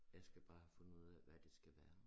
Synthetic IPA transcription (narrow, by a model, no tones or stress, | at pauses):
jɑɪsɡ̥æb̥ɑ̈ːhæfɔ̽nuð̰ˠæʋæd̥e̝sɡ̥æʋæːɐ